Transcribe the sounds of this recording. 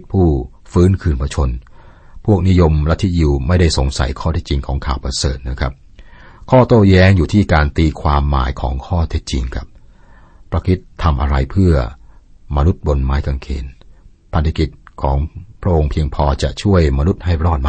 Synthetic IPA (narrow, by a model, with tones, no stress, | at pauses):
pʰuː˥˩ | fɯː˦˥nkʰɯː˧npʰa˧t͡ɕʰo˧n | pʰu˥˩ək̚ni˦˥jo˧mɾa˦˥t̪ʰːi˦˥t̪̚ji˧wma˥˩jda˥˩jso˩˦ŋsa̰˩˦jkʰɔː˥˩e˦˥t̪̚t͡ɕi˧ŋkʰɔː˩˦ŋkʰaː˨˩wpʰa˧sɤ̰ː˨˩t̪̚na˦˥˩kʰa˦˥p̚ | kʰɔː˥˩t̪oː˥˩jɛː˦˥ŋjuː˨˩t̪ʰiː˥˩kaː˧nt̪iː˧kʰwaː˧mːa̰ː˩˦jkʰɔː˩˦ŋkʰɔː˥˩t̪ʰe˦˥t̪̚t͡ɕi˧ŋkʰa˦˥˩p̚ʰː | ɾa˧kʰi˦˥t̪ʰːa˧mʔa˧ɾa˧jpʰɯ˥˩ɐma˧nu˦˥t̪̚bo˧nmaː˦˥jka˧ŋkʰḛː˧n | pʰa˧nt̪a˧ki˨˩t̪̚kʰɔː˩˦ŋpʰɾa˦˥ʔo˧ŋpʰi˧əŋpʰɔː˧t͡ɕa̰˨˩ʔt͡ɕʰu˥˩əjma˧nu˦˥t̪̚ha˥˩jɾɔː˥˩t̪̚ma˧